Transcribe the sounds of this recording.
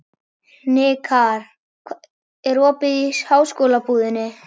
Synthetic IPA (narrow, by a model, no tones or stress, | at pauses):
nɪkʰaɾ̥ʰ | ɛɾɔːpɪðishaːwskoːlapuːðɪnːɪ